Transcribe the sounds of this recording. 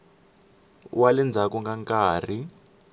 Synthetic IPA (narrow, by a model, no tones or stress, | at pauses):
walɛnd͡zʱakuŋɡaŋkaːr̤i